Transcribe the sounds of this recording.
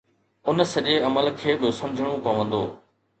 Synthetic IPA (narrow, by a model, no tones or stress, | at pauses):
ʊnsɐʄeɐməlkʰeːɓɪsɐ̃md͡ʑʱəɽ̃õpɐʋə̃nd̪oː